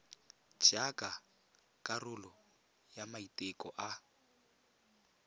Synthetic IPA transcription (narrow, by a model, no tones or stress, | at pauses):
d͡ʒ̥akʼa | kʼarʊlɔ | jamaitʼekʼɔʔa